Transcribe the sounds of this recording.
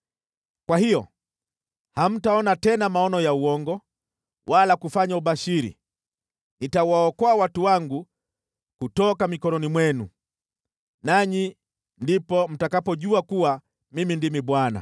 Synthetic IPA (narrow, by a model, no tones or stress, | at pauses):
kwahijɔ̰ | ham̩taɔnatɛnamaɔnɔjauwɔŋɡɔ | wʔalakufaɲauɓaʃiɾḭ | nitauwaɔkɔawatuwaŋɡu | kutɔkamikɔnɔnimwɛnṵ | naɲi | ndipɔm̩takapɔʄuakuwa | mimindimiɓwana̰